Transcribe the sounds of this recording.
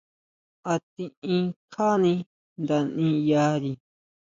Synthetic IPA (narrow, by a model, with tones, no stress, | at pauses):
a˧t̪ĩ˧ĩ˦kʰa˦nĩ˧ | nd̪a˧nĩ˦ja˧˦ɾi˧